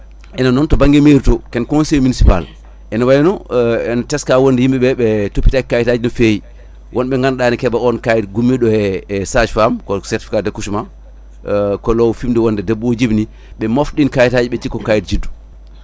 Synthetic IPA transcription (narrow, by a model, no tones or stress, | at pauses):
ʔɛnanɔntɔbaŋɡɛmeɾitɔkɛnkɔnsejminisipa̰l | ʔɛnawajinɔɛnatɛskawondɛhimɓɛɓɛɓɛtopːi̥taikajitad͡ʒinɔfeji | wʔɔnɓɛŋɡanɗanikɛbaɔnkajitɡumːiɗɔɛsad͡ʒfamkɔsɛɾti̥fi̥kadɛkusuma | kɔlɔwfimdɛwɔndɛdebːod͡ʒibni | ɓɛmofɗinkajitad͡ʒiɓɛt͡ʃikːɔkajit̚d͡ʒidːu̥